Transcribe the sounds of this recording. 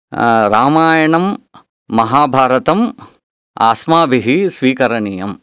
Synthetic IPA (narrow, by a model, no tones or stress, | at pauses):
ɾaːmaːjɐɳɐmː | ɐɦaːbʱaːɾɐt̪ɐm | a̰ːsmaːbʱiɦisʋiːkɐɾɐɳiːjɐm